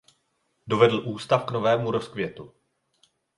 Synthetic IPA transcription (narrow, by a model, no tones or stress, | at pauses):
do̞vɛdl̩ʔuːst̪afkno̞vɛːmuɾo̞skvjɛt̪u